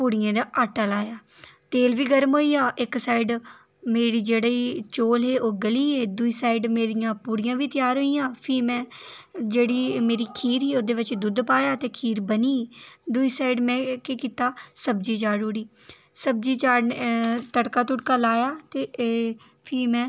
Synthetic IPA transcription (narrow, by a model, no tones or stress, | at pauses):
puːɽijẽːd̪aːʔaːʈaːlaːjaːt̪eːlʋiːɡəɾmɦoːiːaːʔɪksaːɪɖ | meːɽiːd͡ʒeːɽaːiːt͡ʃoːlɦeːʔoːɡəliːɦeːd̪ʊiːsaːɪɖmeːɾijãːpuːɽɪjãːʋiːt̪ɪjaːɾɦoːiːãːpʰiːmɛ̃ːd͡ʒeːɽiːmeːɾiːkʰiːɾɦiːoːd̪eːʋɪt͡ʃd̪ʊd̪paːjaːt̪eːkʰiːɾbəniːd̪ʊiːsaːɪɖmɛ̃ːkekiːt̪aːsəbd͡ʒiːt͡ʃaːɽuːɽiː | səb̚d͡ʒiːt͡ʃaːɽnt̪əɽkaːt̪ʊʈkaːlaːjaːt̪eː | pʰiːmɛ̃ː